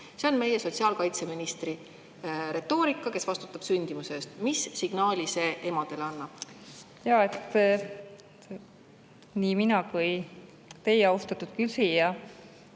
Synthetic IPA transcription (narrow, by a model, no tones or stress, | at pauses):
se̞o̞nme̞jeso̞t̪siɑːlkɑjt̪se̞minist̪ri | ɾe̞t̪ːo̞ːɾikːˑɑke̞svɑst̪u̥t̪ːˑɑb̥synʲd̪̥imuse̞st̪misːiɡ̥nɑːlʲise̞ːʔe̞mɑd̪̥e̞leɑnːɑb̥ | jɑe̞t̪ː | niːminɑkuj | t̪e̞jeɑwst̪ɑt̪ːˑud̪̥kylsijɑ